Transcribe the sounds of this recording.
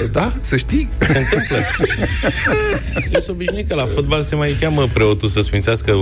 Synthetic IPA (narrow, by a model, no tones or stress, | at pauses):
d̪asəʃt̪ijseɨnt̪ɨmplə | jewsəobiʒnejkəlafot̪̚balse̞majkʲaməpɾe̞ot̪usəsfint̪seaskə